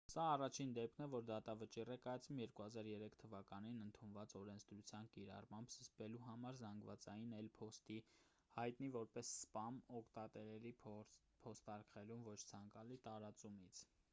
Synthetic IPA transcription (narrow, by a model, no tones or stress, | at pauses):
sɑːrɑt͡ʃʰind̪ɛpkʰnɛvɔɾd̪ɑt̪ɑvət͡ʃirɛkɑjɑt͡sʰvumjɛɾkuhɑzɑɾjɛɾɛkʰt̪ʰəvɑkɑninənt̪ʰunvɑt͡sɔɾɛnt͡sʰd̪ɾut͡sʰjɑnkiɾɑ̰rmɑmbz̥əspɛluɦɑmɑɾzɑŋɡvɑ̰t͡sɑjinɛlpʰɔst̪i | hɑjt̪nivɔɾpɛsːpɑmɔkʰt̪ɑt̪ɛɾɛɾi | pʰɔst̪ɑɾkχɛlumvɔt͡ʃʰt͡sʰɑŋkɑlit̪ɑɾɑt͡sumit͡sʰ